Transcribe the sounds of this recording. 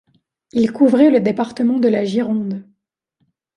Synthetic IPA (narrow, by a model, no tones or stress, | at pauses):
ilkuvʁɛləd̪epaʁt̪əmɑ̃d̪əlaʒiʁɔ̃d̪